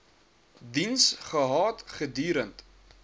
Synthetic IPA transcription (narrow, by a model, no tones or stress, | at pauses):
dinsχəɦɑːtχədyːɾənt